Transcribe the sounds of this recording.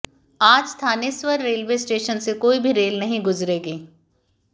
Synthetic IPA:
aːd͡ʒst̪ʰaːneswəɾːeːlʋeːsʈeːʃənsekoːibʱiɾeːlnɐɦĩɡʊzɾeːɡeː

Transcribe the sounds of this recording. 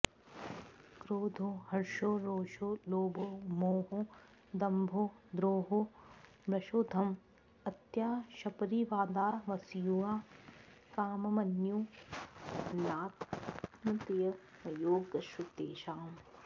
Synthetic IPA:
kɾoːd̪ʱoːhɐɾʃoːɾoːʃoːloːbʱoːmoːɦoː | d̪ɐmbʱoːd̪ɾoːɦoː | bɾɐʃoːd̪ʱɐm | ɐt̪jaːʃɐpɾiːʋaːd̪aːʋɐsjuaː | kaːmɐmɐnju | naːt̪nɐt̪jɐ | ɐjoːɡɐʃut̪eːʃaːm

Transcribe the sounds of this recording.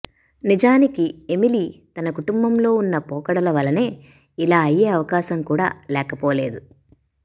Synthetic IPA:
nid͡ʒaːnikie̞miliːt̪ɐnɐkuʈumbɐmlo̞ːunːɐpɔːkɐɽɐlɐʋɐlɐne̞ː | ilaːɐjːeːɐʋɐkaːʃɐmkuːɽa̰ːlɛːkɐpoːle̞ːd̪u

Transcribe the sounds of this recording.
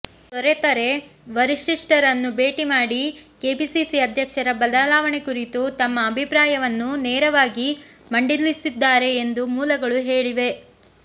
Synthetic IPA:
t̪ɔɾet̪ɐɾe̞ | ʋɐɾiʂiʂʈɐɾɐnːubeːʈimaːɽikeːbisisiɐd̪ʱjɐkʂɐɾɐbɐd̪ɐlaːʋɐɳe̞kuɾit̪ut̪ɐmːɐːbʱipɾaːjɐʋɐnːunɛːɾɐʋaːɡi | mɐɳɖilːisid̪ːaːɾe̞ːnd̪umuːlɐɡɐɭuɦeːɭiʋe̞

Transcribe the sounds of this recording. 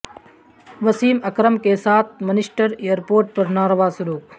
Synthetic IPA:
ʋɐsiːmɐkɾəmkesaːt̪̚ʰmɐnɪsʈəɾejəɾpoːɾʈ̚pɐɾnaːɾʋaːsʊɾuːk̚

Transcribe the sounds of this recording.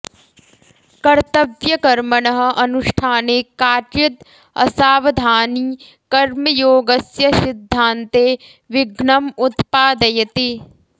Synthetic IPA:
kɐɾt̪ɐʋjɐkɐɾmɐɳɐɦɐ̆ʔɐnuʂʈʰaːnekaːʈɪt̪ | ɐ̰saːʋɐd̪ʱaːniː | kɐɾmɐjoːɡɐsjɐsɪd̪ʱːaːnt̪eː | ʋɪɡɳɐmut̪paːd̪ɐjɐt̪i

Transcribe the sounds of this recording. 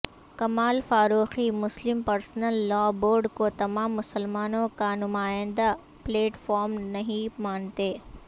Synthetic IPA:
kɐmaːlfaːɾuːximʊslɪmpɐɾsnəlːɔːboːɾɖkot̪ɐmaːmːʊsəlmaːnõkanʊmaːɪ̃nd̪a | pleːʈfɔːɾmnɐɦĩmaːnt̪eː

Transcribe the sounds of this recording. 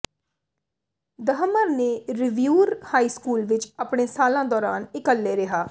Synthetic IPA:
d̪əɦəməɾneːɾɪʋjuːɾhaːiːskuːlʋɪt͡ʃəpɳeːsaːlãːd̪ɔːɾaːnɪkəlːeːɾɪɦaː

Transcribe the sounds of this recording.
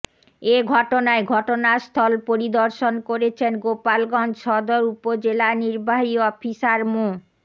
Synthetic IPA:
eɡʱɔʈonaeɡʱɔʈonast̪ʰɔlpoɾid̪oɾʃonkoɾet͡ɕʰenɡopalɡɔnd͡ʑʃɔd̪oɾupod͡ʑelaniɾbaɦiɔfʰisaɾmo

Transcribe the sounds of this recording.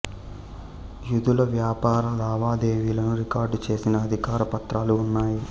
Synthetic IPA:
jud̪ulɐʋjaːpaːɾɐlaːʋaːd̪e̞ːʋiːlɐnuɾikaːɾɖt͡ʃe̞ːsinɐːd̪ʱikaːɾɐpɐt̪ɾaːluːnːaːji

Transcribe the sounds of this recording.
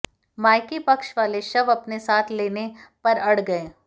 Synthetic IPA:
maːɪkipɐkʃʋaːleʃɐbɐpnesaːt̪ʰleːnepɐɾɐɽ̤ɡɐẽː

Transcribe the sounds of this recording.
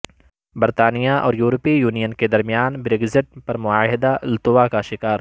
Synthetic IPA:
bɐɾt̪aːnijaʔɔ̰ːɾjuːɾpijuːnijənked̪ɐɾmijaːnbɾeːɡzɪʈ̚pɐɾmʊaːɦɪd̪alt̪ʊʋakaʃɪkaːɾ

